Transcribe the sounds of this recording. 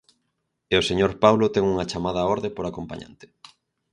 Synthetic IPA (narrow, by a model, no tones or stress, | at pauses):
eoseɲoɾpawlot̪ɛŋuŋɐt͡ʃamað̞ɐoɾðepoɾakompa̰ɲã̰nt̪ɪ̥